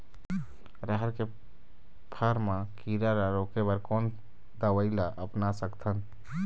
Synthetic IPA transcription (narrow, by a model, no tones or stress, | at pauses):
ɾəɦəɾke | pʰəɾmãkiɾaɾaɾokebəɾkɔːn | d̪əwəɪlaʔəpnasəkt̪ʰən